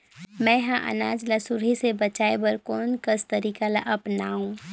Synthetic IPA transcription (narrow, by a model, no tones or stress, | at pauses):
mɛ̃ɦãʔə̰naːd͡ʒlasʊɾɦisebət͡ʃaːebəɾkoːnkəst̪əɾiːkalaʔɐpnaːɦũː